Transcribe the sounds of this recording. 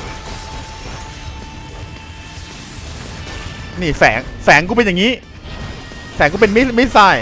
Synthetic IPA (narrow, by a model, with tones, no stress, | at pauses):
niː˥˩fɛː˩˦ŋfɛː˩˦ŋkʰuː˥˩pe˧nja˨˩ŋiː˦˥ | fɛː˩˦ŋk̬ʰːpe˧nma˥˩ma˥˩jsa˥˩j